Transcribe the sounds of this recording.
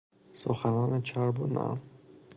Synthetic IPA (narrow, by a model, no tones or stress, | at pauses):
sʊ̰xanɑnet͡ʃʰaɾbuna̰